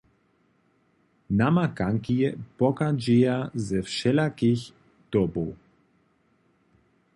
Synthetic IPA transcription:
namakaŋkijɛpɔkad͡ʒijazɛfʃɛlakix | d̪̥ɔbɔw

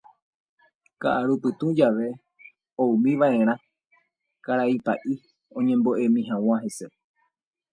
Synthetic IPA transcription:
ka̰ʔaɾupɨt̪ũd͡ʒaʋe̞ | oumĩʋaʔẽ̞ɾ̃ã | kaɾaipa̰ʔi | õ̞ɲẽ̞mbo̞ʔe̞mĩɦãw̃ãɦe̞se̞

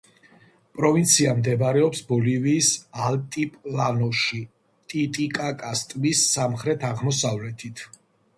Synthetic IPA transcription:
pʼɾɔvint̪sʰiamd̪ɛbɾɛɔpsbɔliviːsalt̪ʼipʼlanɔʃi | t̪ʼit̪ʼikʼakʼast̪ʼmisːamχɾɛt̪ʰaʁmɔsavlɛt̪ʰit̪ʰ

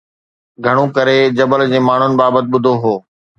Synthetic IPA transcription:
ɡʱɐɽ̃ũkɐɾed͡ʑɐbəld͡ʑeːmaːɳ̤ʊnɪ̆baːbət̪̬ɪɓʊd̪ʱoɦoː

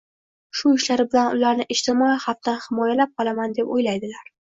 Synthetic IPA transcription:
ʃʊɪʃlaɾɪbɪlanʊlaɾnɪʔɪʃt̪ʰɪmɒihaft̪anhɪmɒjalap̚qʰɒlˠamand̪e̞pojlajd̪ɪlaɾ

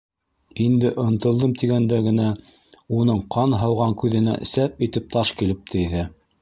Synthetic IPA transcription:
ind̪ɘʔɤ̆nt̪ɤ̆lˠd̪ɤmt̪iɡænd̪æɡɘ̆næ | unɤɴqʰɑnɦɑwʁɑŋkʉðɘ̆næ̰ʔɘ̆sæpit̪ɘp̚t̪ɑʃkilɘp̚t̪ʰɘ̆iðæ

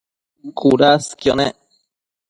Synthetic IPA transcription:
kuɾaskjone

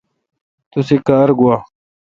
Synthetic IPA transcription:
t̪usekaɾɡuwaː

